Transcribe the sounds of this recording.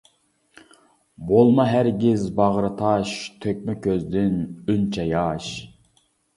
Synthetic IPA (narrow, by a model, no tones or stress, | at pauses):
bolˠmɑɦæɾɡʲɪzbɑʁɾɨt̪ʰɑʃt̪ʰøk̚ʲmɛkʲʰøzd̪ɪnynt͡ʃʰɛjɑʃ